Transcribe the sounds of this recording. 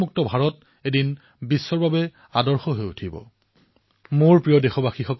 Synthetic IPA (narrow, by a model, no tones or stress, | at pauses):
muk̚tɔbʱaɹɔt | edin | bisːɔɹbabɛ | adɔɹxɔɦojutʰibɔ̰ | moɹpɹijɔdexɔbaxixɔk